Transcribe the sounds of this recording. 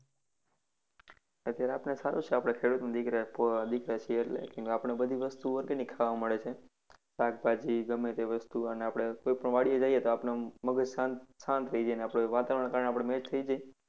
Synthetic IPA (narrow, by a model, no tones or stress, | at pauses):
ət̪jaɾeapnesaɾut͡ʃʰeapɽ̃ekʰeɽut̪mãd̪ɪkɾapd̪ɪkɾat͡ʃʰieːʈlḛkẽŋkapɳ̃ebəd̪ʱiʋəst̪uəɾɡenikʰaʋaməɭet͡ʃʰe | sak̚ʰbʱad͡ʒiɡəmet̪eʋəst̪uəneapɽ̃ekoipəɳʋaɽijed͡ʒaiet̪oapnaməɡəd͡ʒsasãnt̪ɾəid͡ʒeneapɽ̃oʋat̪aʋəɾəɳ̃kaɾəɳeapɽ̃emed͡ʒt̪ʰəid͡ʒae